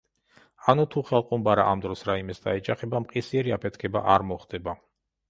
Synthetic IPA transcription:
anut̪ʰuχɛlˠqʼumbaɾa̰ʔamd̪ɾɔsɾaimɛsd̪aɛd͡ʒaχɛbamqʼisiɛɾiapʰɛt̪ʰkʰɛbaʔaɾmɔχd̪ɛba

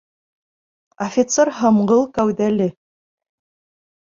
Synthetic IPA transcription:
ofʲɪt̪serɦɤ̆mɢɤlˠkæwðælɘ

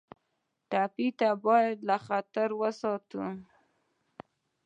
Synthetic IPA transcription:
ʈapit̪abɑjad̪laxat̪aɾwəsɑt̪u

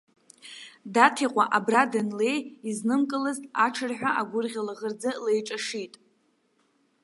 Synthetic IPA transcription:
datʰiqʷʼa̰ʔabradɨnle̞jiznɨmkʼɨlɨztʼaʈ͡ʂʰɨrħᶣʷaʔaɡʷʊrʁʲalaʁərd͡zalejʈ͡ʂʼaʂitʼ

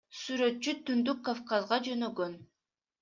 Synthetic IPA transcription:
syɾø̞t̪̚t͡ʃyt̪ynd̪ykːofkɑzʁɑd͡ʒø̞nøɡøn

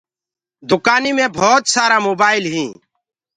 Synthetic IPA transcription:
d̪ʊkaːniːmẽːbʱɔːt̪saːɾaːmoːbaːɪlɦĩː

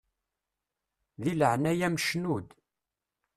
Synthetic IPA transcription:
ðiləʕnæjæmʃnud̪

